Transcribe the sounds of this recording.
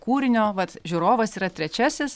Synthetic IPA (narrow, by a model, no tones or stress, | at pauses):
kuːɾʲɪnʲoːʋɐt̪ʒʲʊɾoːʋɐsiːɾɐt̪ʲɾʲɛt͡ʃʲɛsʲɪs